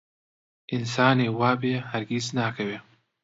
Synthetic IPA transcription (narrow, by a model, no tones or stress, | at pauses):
ʔɪnsaːneːwaːbeːhɐɾɡʲiːznaːkʰɐweː